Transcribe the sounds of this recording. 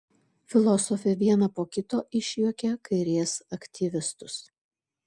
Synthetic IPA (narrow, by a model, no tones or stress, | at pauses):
fʲɪlˠɔsɔfʲɛʋʲiɛnɐpoːkʲɪt̪oːʔɪʃʲjukʲɛkɐɪɾʲiɛsɐkʲt̪ʲiʋʲɪst̪ʊs